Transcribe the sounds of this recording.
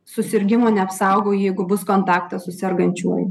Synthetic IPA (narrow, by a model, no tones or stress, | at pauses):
sʊsʲɪɾʲɡʲɪmoːnʲɛɐpsɑˑʊɡoːjɛɪɡʊbʊskoːnt̪ɑːkt̪ɐsʊsʲɛɾɡɐnʲt͡ʃʲuɔj